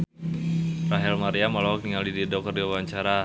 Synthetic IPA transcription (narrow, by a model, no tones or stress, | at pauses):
raɦɛlmaɾiamɔlɔɦɔk̚niŋaldididɔk̚t̪ɔrdiawaɲt͡ʃaɾa